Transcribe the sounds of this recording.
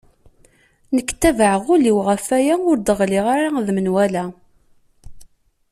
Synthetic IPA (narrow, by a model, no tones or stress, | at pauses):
nəkːt̪ːævəʕəʁʊliwʁəfæjæʊɾd̪əʁliʁaɾaðmənwælæ